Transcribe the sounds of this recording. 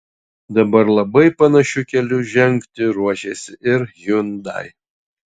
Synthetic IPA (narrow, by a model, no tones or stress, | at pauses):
d̪ɐbɐɾlˠɐbɐɪpɐnɐʃʲʊkʲɛlʲʊʒʲɛŋʲkt̪ʲɪɾuɔʃʲesʲɪʔɪɾjʊnd̪ɐ̰ɪ